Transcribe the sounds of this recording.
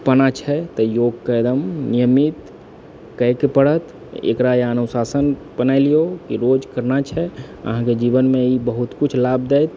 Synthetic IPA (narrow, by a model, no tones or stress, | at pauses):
pənat͡ʃʰɛt̪ɔjoɡ̚kəjd̪əmnijəmit̪ | kəjkepəɽət̪ | ḛkɾajeənusasənbənaɪlijokiɾod͡ʒkəɾnat͡ʃʰɛ | ə̰ɦãked͡ʒibənmeibəɦut̪kut͡ʃʰlabd̪ɛjt̪̚